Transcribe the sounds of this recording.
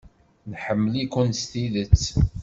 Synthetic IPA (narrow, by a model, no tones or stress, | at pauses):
nħəmːəlikunst̪iðət͡sː